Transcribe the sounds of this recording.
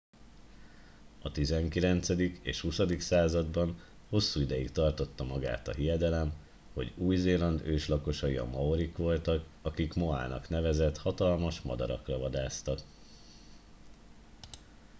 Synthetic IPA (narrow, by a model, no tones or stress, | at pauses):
ɒt̪izɛŋkilɛnt̪sɛd̪ikḛːʃhusɒd̪iksaːzɒd̪bɒn | ho̞sːuːid̪ɛjikt̪ɒrt̪o̞t̪ːɒmɒɡa̰ːt̪ɒɦijɛd̪ɛlɛm | ho̞̰ɟuːjzeːlɒnd̪øːʃlɒko̞ʃɒjiɒ̰mɒoɾikʋo̞lt̪ɒkɒkikmo̞a̰ːnɒ̰kn̪ɛvɛzɛt̪hɒt̪ɒlmɒʃmɒ̰d̪ɒ̰ɾɒ̰krɒvɒd̪aːst̪ɒk